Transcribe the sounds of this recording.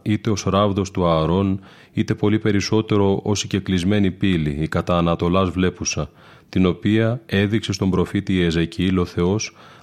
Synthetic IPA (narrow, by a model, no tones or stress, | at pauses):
it̪e̞o̞sɾɐvðo̞st̪uɐɾo̞n | it̪e̞po̞lipe̞ɾiso̞t̪e̞ɾo̞ʔo̞siɟe̞klizme̞nipilḭːkɐt̪ɐːnɐt̪o̞lɐzvle̞pusɐ | t̪ino̞piɐe̞ðikse̞st̪o̞mbɾo̞fit̪iːezeciilo̞θe̞o̞s